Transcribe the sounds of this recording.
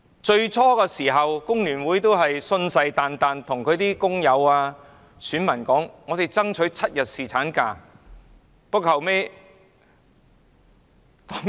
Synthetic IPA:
t͡ʃɵ˧ɥt͡ʃʰɔː˥kɛː˧siː˨˩ɦɐ˨wkʊ˥ŋlyː˨˩nwuː˨˥jt̪o˥wɦɐ˨jsɵ˧nsɐ˧jt̪aː˨nt̪aː˨nt̪ʰʊ˨˩ŋkʰɵ˨˧˥t̪iː˥kʊ˥ŋjɐ˨˧waː˧ | syː˨˥nmɐ˨˩nkɔː˨˥ŋŋɔː˨˧t̪e˨˩jt͡sɐ˥ŋt͡ʃʰɵ˨˥ɥt͡sʰɐ˥t̚jɐ˨t̚siː˨t͡sʰaː˨˥nkaː˧ | pʊ˥k̚hɐ˨˩wme˥j | fɔː˥ŋ

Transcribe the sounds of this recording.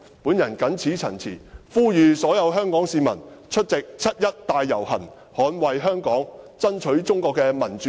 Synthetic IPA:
puː˨˥njɐ˨˩nkɐ˨˥nt͡sʰiː˨˥t͡sʰɐ˨˩nt͡sʰḭː˨˩fuː˥jyː˨˧sɔː˨˥jɐ˨˧wɦœː˥ŋkɔː˨˥ŋsiː˧mɐ̰˨˩nt͡ʃʰɵ˥t̚t͡sɪ˨k̚t͡sʰɐ˥t̚jɐ˥t̚t̪aː˧jːɐ˨˩whɐ̰˨˩n | hɔː˨˥nwɐ˨jɦœː˥ŋkɔː˨˥ŋt͡sɐ˥nt͡ʃʰɵ˨˥ɥt͡sʊ˥ŋkɔː˧kːɛː˧mɐ˨˩nt͡ʃː

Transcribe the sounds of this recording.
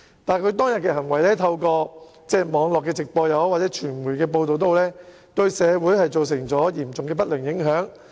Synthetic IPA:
t̪aː˨nkʰɵ˨˧ɥt̪̬ɔː˥ŋjɐ˨t̚kɛː˧ɦɐ˨˩ŋwɐ˨˩jlɛː˥t̪ʰɐ˧wkɔː˧ | t͡sɛː˧˥mɔː˨˧ŋlɔː˨˩kːɛː˧t͡sɪ˨k̚pɔː˧jɐ˨˥wwaː˨t̚t͡sɛː˨˥t͡ʃʰyː˨˩nmuː˨˩jkɛː˧p̬o˧wt̪o˨wt̪̬o˧wlɛː˥ | t̪ɵ˧ɥsɛː˨˧wuː˨˥jhɐ˨jt͡so˨ws̬ɪ˨˩ŋt͡sɔː˨˥jiː˨˩mt͡sʊ˨ŋkɛː˧pɐ˥t̚lɪ˨˩ŋjɪ˨˥ŋɦœː˨˥ŋ

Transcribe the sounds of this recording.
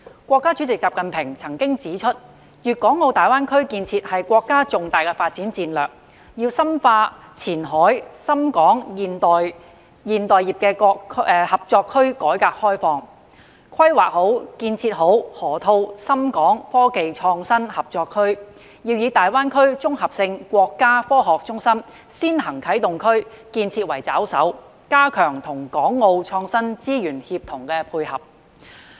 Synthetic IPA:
kʷɔː˧kːaː˥t͡ʃy˨˥t͡sɪ˨k̚t͡saː˨p̚kɐ˨npʰɪ˨˩ŋt͡sʰɐ˨˩ŋkɪ˥ŋt͡siː˨˥t͡ʃʰɵ˥t̚ | jyː˨t̚kɔː˨˥ŋːo˨˧wt̪aː˨jwaː˥nkʰɵ˥ɥkiː˧nt͡sʰiː˧t̚hɐ˨jkʷɔː˧kːaː˥t͡sʊ˨˩ŋt̪aː˨jkɛ˧faː˧t̚t͡siː˨˥nt͡siː˧nlœː˨k̚ | jiː˧wsɐ˥mfaː˧t͡sʰiː˨˩nɦɔː˨˥jsɐ˥mkɔː˨˥ŋjiː˨nt̪ɔː˨j | jiː˨˩nt̪ɔː˨jiː˨˩p̚kɛː˧kɔ˧hɐ˨˩p̚t͡sɔː˧kʰːɵ˥ɥkɔː˨˥jkaː˧k̚hɔː˥jfɔː˧ŋ | kʰɐ˥jwaː˨k̚ho˨˥wkiː˧nt͡sʰiː˧t̚ɦo˨˥whɔː˨˩t̪ʰo˧wsɐ˥mkɔː˨˥ŋfɔː˥ke˨jt͡ʃʰɔː˧ŋsɐ˥nhɐ˨p̚t͡sɔː˧kʰːɵ˥ɥ | jiː˧wjiː˨˧t̪aː˨jwaː˥nkʰɵ˥ɥt͡sʊ˥ŋhɐ˨p̚sɪ˧ŋkʷɔː˧kːaː˥fɔː˥ɦɔː˨k̚t͡sʊ˥ŋsɐ˥m | siː˥nɦɐ˨˩ŋkʰɐ˨˥jt̪ʊ˨ŋkʰɵ˥ɥ | kiː˧nt͡sʰiː˧t̚wɐ˨˩jt͡sa̰ː˨˥wsɐ̰˨˥w | kaː˥kʰœː˨˩ŋt̪ʰʊ˨˩ŋkɔː˨˥ŋːo˧wt͡ʃʰɔː˧ŋsɐ˥nt͡siː˥jyː˨˩nhiː˧p̚t̪ʰʊ˨˩ŋkɛː˧pʰuː˧jhɐ̰˨˩p̚

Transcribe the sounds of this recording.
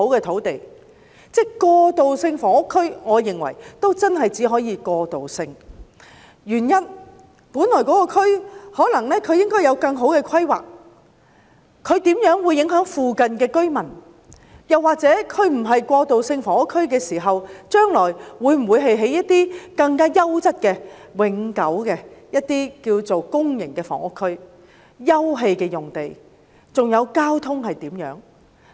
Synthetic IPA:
o˨˥wkɛː˧t̪ʰo˨˥wt̪e˨˩j | t͡sɛ˥kɔː˧t̪o˨wsɪ˧ŋfɔː˨˥ʊ˥kʰːɵ˥ɥŋɔː˨˧jɪ˨ŋwɐ̰˨˩jt̪o˥wt͡sɐ˥nɦɐ˨jt͡siː˨˥ɦɔː˨˥jiː˨˧kɔː˧t̪o˨wsɪ˧ŋ | jyː˨˩njɐ˥n | puː˨˥nlɔː˨˩kɔ˨˥kɔː˧kʰɵ˥ɥhɔː˨˥lɐ˨˩ŋlɛː˥kʰɵ˨˧ɥjɪ˥ŋkɔː˥jɐ˨˧wkɐ˧ŋɦo˨˥wkɛː˧kʰɐ˥jwa̰ː˨k̚ | kʰɵ˨˧ɥt̪iː˨˥mjœː˨˥ŋwuː˨˧jːɪ˨˥ŋɦœː˨˥ŋfuː˨kɐ˨nkɛː˧kɵ˥ɥmɐ˨˩n | jɐ˨waː˨k̚t͡sɛː˨˥kʰɵ˨˧ɥm̩˨˩ɦɐ˨jkʷɔː˧t̪o˨wsɪ˧ŋfɔː˨˩ŋʊ˥kʰːɵ˥ɥkɛː˧siː˨˩ɦɐ˨wt͡ʃœː˥ŋlɔː˨˩jwuː˨˧jm̩˨˩wuː˨˧jɦe˨jɦe˨˥jːɐ˥t̪̚iː˥kɐ˧ŋkaː˥jɐ˥wt͡sɐ˥t̚kɛː˧wɪ˨˥ŋkɐ˨˥wkɛː˧jɐ˥t̪̚iː˥kiː˧wt͡so˨wkʊ˥ŋjɪ˨˩ŋkɛː˧fɔ̰ː˨˩ŋʊ˥kʰːɵ˥ɥ | jɐ˥wɦe˧jkɛː˧jʊ˨˩ŋt̪e˨j | t͡sʊ˨ŋjɐ˨˧wkaː˥wt̪ʰʊ˥ŋhɐ˨jt̪iː˨˥mjœ̰ː˨˥ŋ

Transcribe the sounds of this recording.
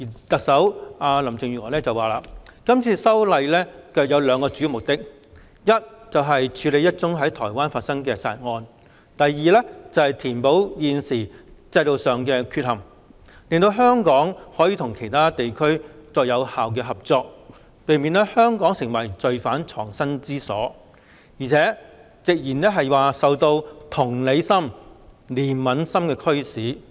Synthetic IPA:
iː˨˩t̪ɐ˨k̚sɐ˨˥waː˧lɐ˨˩mt͡sɪ˨ŋjyː˨˩ŋɔː˨˩lɛː˥t͡sɐ˨waː˨la̰ː˨kɐ˥mt͡sʰiː˧sɐ˥wlɐ˧jlɛː˥kœː˨k̚jɐ˨˧wlœː˨˧ŋkɔː˧t͡sy˨˥i˧mʊ˨˩k̚t̪ɪ˥k̚ | jɐ˥t̚t͡sɐ˨wɦɐ˨jt͡ʃʰyː˨˧le˨˧jɐ˥t̚t͡sʊ˥ŋɦɐ˨˥jt̪ʰɔː˨˩jwaː˥nfaː˧t̚sɐ˥ŋkɛː˧sa̰ː˨˩t̚ŋɔː˧n | t̪ɐ˨jːiː˨˧lɛː˥t͡sɐ˨˩whɐ˨˩jt̪ʰiː˨˩npo˨˥wjiː˨˧nsiː˨˩t͡sɐ˧jlo˨wsœː˨ŋkɛː˧kʰy˧t̚hɐ˨˩m | lɪ˨ŋt̪o˧wɦœː˥ŋkɔː˨˥ŋhɔː˨˥jiː˧t̪ʰʊ˨˩ŋkʰe˨˩jt̪ʰaː˥t̪e˨jkʰɵ˥ɥt͡sɔː˧k̚jɐ˨˧whaː˨wk̬ɛː˧ɦɐ˨p̚t͡sɔː˧k̚ | pe˨˧jmiː˨˧nlɛ˥hœː˥ŋkɔː˨˥ŋsɪ˨˩ŋwɐ˨˩jt͡sɵ˨ɥfaː˨˥nt͡sʰɔ̰ː˨˩ŋsɐ˥nt͡siː˥sɔ̰ː˨˥ | jiː˨t͡sʰɛː˨˥ | t͡sɪ˨k̚jiː˨˩nlɛ˥ɦɐ˨jwaː˨sɐ˨wt̪o˧wt̪ʰʊ˨˩ŋle˨˧jsɐ˥m | liː˨˩nmɐ˨˥nsɐ˥mkɛː˧kʰɵ˥ɥsiː˨˥

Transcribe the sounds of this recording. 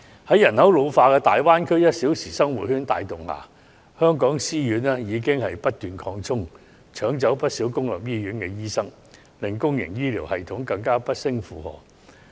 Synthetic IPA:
hɐ˨˥jɐ˨˩nhɐ˨˥wlo˨˧wfaː˧kɛː˧t̪aː˨jwaː˥nkʰɵ˥ɥjɐ˥t̚siː˨˥wsiː˨˩sɐ˥ŋwṵ˨˩hyː˥nt̪aː˨jt̪ʊ˨˩ŋha̰ː˨˩ | hœː˥ŋkɔː˨˥ŋsiː˥jyː˨˥nɛː˥jiː˨˧k̬ɪ˥ŋhɐ˨jpɐ˥t̚t̪yː˨nkʰɔː˧ŋt͡sʰʊ˥ŋ | t͡ʃʰœː˨˥ŋt͡sɐ˨˥wpɐ˥t̚siː˨˥wkʊ˥ŋlɐ˨p̚jiː˥jyː˨˥nkɛ˧jiː˥sɐ˥ŋ | lɪ˨ŋkʊ˥ŋjɪ̰˨˩ŋjiː˥liː˨˩whɐ˨jt̪ʰʊ˨˥ŋkɐ˧ŋkaː˥pɐ˥t̚sɪ˥ŋfuː˨˧hɔ̰ː˨˥

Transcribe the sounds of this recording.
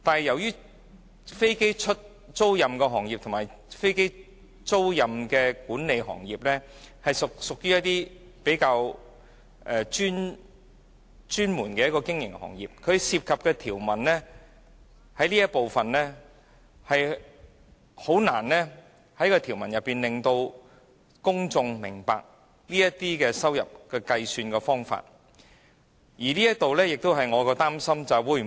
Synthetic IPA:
t̪aː˨nhɐ˨jɐ˨˩wjyː˥ | fe˥jke˥jt͡ʃʰɵ˥t̚ | t͡so˥wjɐ˨mkɛː˧ɦɔː˨˩ŋjiː˨p̚t̪ʰʊ˨˩maː˨˩jfe˥jke˥j | t͡so˥wjɐ˨mkɛː˧kuː˨˥nne˨˧jɦɔ̰ː˨˩ŋjiː˨p̚lɛː˥hɐ˨jsʊ˨k̚sʊ˨k̚jyː˥jɐ˥t̚t̪iː˥ | pe˨˥jkaː˧w | ʔɛː˧t͡ʃyː˥n | t͡ʃyː˥nmuː˨˩nkɛː˧jɐ˥tkɔː˧kɪ˥ŋjɪ̰˨˩ŋhɔ̰ː˨˩ŋjḭː˨p̚kʰɵ˨˧siː˧p̚kʰɐ˨p̚kɛ˧t̪ʰiː˨˩wmɐ˨˩nlɛ˥ | hɐ˨˥jliː˥jɐ˥t̚po˨wfɐ˨nlɛ˥ | hɐ˨j | ho˨˥wna̰ː˨˩nlɛː˥ | hɐ˨˥jkɔː˧t̪ʰiː˨˩wmɐ˨˩njɐ˨pːiː˨nlɪ˨ŋt̪o˧w | kʊ˥ŋt͡sʊ˧ŋmɪ˨˩ŋpa̰ː˨k̚ | liː˥jɐ˥t̪iː˥kɛː˧sɐ˥wjɐ̰˨p̚kɛː˧kɐ˧jsyː˧nkɛː˧fɔː˥ŋfa̰ː˧t̚ | jiː˨˩liː˥jɐ˥t̪o˨wlɛː˥jɪ˨k̚t̪o˥wɦɐ˨jŋɔː˨˧kɔː˧t̪aː˥msɐ˥mt͡sɐ˨wwuː˧j

